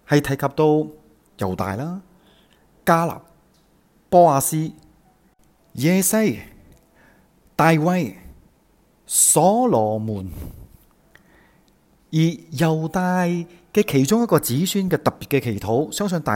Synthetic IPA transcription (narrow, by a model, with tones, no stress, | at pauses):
hɐ˨jt̪ʰɐ˨˩jkʰɐ˨p̚t̪o˧w | jɐ̰˨˩wt̪a̰ː˨jlaː˥ | kaː˥la̰ː˨˩p̚ | pɔː˥aː˨˧siː˥ | jɛː˨˧sɐ˥j | t̪aː˨jwɐ˧j | sɔː˨˥lɔː˨˩muː˨˩n | jiː˨˩jɐ˨˩wt̪aː˨˧j | kɛː˧kʰe˨˩jt͡ʃʊ˥ŋjɐ˥t̚kːɔː˧t͡siː˨˥syː˥nkɛː˧t̪ɐ˨k̚pi˨t̚kɛː˧kʰe˨˩jt̪ʰo˨˥wsœː˥ŋs̬ɵ˨˧ŋt̪aː˨